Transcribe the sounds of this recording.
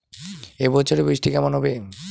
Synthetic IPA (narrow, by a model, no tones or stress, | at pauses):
ebɔt͡ɕʰoɾebɾiʃʈikɛmanɦɔbe